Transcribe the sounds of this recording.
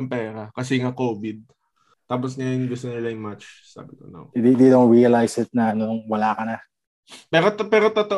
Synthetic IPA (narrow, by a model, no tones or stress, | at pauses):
ɐmpɛːɾɐkɐs̬ɛŋakoːbɪd̪̚ | t̪aːp̬osɲajnɡʊs̬t̪onɪlɐjɪŋmat͡ʃ | sa̰ɡɪt̪o̰nɐ̰wd̪id̪id̪owɹiɐlajsɪt̪̚nɐɐnʊŋwɐlaːkɐnɐ | pɛːɾot̪pɛːɾot̪ot̪oʔ